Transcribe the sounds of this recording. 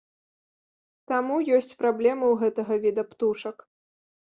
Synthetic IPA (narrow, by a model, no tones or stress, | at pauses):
t̪amujɔsʲt͡sʲpɾablʲɛmɨwɣɛt̪ɐɣɐvʲid̪ɐpt̪uʂɐk